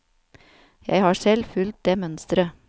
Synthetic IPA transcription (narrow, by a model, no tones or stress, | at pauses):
jæ̰ɪhɑːsɛlfʉlt̪̚d̪eːmœnst̪ɾə